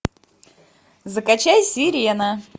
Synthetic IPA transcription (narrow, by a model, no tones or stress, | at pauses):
zəkɐt͡ɕajsʲiɾʲjna